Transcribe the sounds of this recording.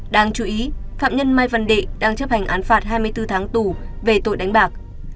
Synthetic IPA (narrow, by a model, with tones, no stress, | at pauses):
ɗaː˧ŋt͡ɕu˨˦ʔi˨˦fa̰ː˧˨m̚ɲə˧nmaː˧jvə˧˩nɗḛ˧˨ɗaː˧ŋt͡ɕə˦˥p̚ha˨˩jŋ̟ʔaː˨˦nfaː˧˩t̚ɦaː˧jmɨ˧əjt̪ɨ˧t̪ʰaː˨˦ŋt̪u˧˨˩ve˨˩t̪o̰˧˨jɗa˨˦jŋ̟ɓaː˨˩k̚